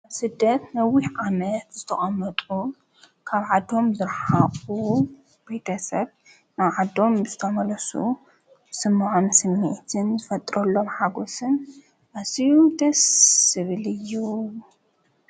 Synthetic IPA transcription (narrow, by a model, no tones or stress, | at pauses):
aβsɨd̪ːɐt̪nɐwihʕamɐt̪zɨt̪ʰɐχʼɐmːɐt̪ʼu | kʰaβʕad̪ːo̞mzɨɾħaχʼu | b̥et̪ʰɐsɐβ | naβʕad̪o̞mzɨt̪ʰɐmɐlɐsṵ | sɨmːʕonsɨmːḭʔt̪ʰɨnzɨfɐt̪ʼɾɐlːo̞mħaɡo̞sɨn | ʔasiud̪ɐsːɨβɨlɨjːu